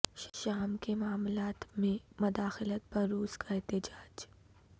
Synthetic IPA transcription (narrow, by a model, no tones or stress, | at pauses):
ʃʃaːmkemʊaːmlaːt̪mẽmʊd̪aːxɪlət̪̚pɐɾːuːskʰaɛɦt̪ɪd͡ʒaːd͡ʒ